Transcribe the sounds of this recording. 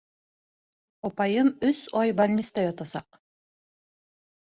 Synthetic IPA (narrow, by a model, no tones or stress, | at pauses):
opɑjɯmʏsojbalʲnʲist̪ɑjot̪ɑsɑq